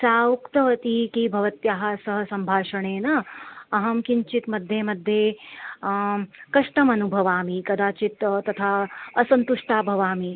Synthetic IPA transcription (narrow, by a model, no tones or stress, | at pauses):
saːukt̪ɐʋɐt̪ikibʱɐʋɐt̪jaɦasɐɦɐsɐmbʱaːʃɐɳeːnɐɐɦɐmkiɲt͡ʃit̪mɐd̪ʱjemɐd̪ʱːje | kɐʂʈɐmɐnubʱɐʋaːmikɐd̪aːt͡ʃit̪t̪ɐt̪ʰaːɐsɐnt̪uʂʈaːbʱɐʋaːmi